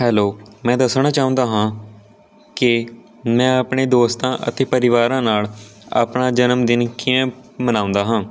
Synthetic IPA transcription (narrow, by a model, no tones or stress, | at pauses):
hɛːloːmɛ̃ːd̪əsɳaːt͡ʃaːʊ̃nd̪aːɦãː | kɪ | mɛ̃ːaːpɳeːd̪oːst̪ãːʔə̰t̪eːpəɾɪʋaːɾãːnaːla̰ːpɳaːd͡ʒənəmd̪ɪnkɪãːmənãːʊ̃nd̪aːɦãː